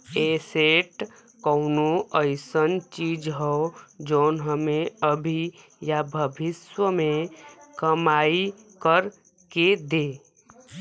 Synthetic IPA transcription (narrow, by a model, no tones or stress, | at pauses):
eːseːʈ | kəːnoəɪsənt͡ʃiːd͡ʒɦɛod͡ʒoːnɦəmẽəbʱi | jabʱəbʱɪswəmẽkɐmaːi | kəɾ | ked̪eː